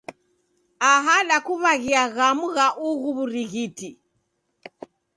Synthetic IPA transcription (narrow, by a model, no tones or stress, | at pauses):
aɦaɗakuβaɣiaɣamuɣaʔuɣuβuɾiɣiti